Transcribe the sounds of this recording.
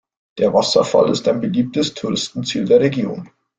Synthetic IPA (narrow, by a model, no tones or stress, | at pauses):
d̥eːɐvasɐ̰fa̰lɪstaɪnbəliːp̚təstʰuʁɪstn̩t͡siːldeːɐʁeɡjo̰ːn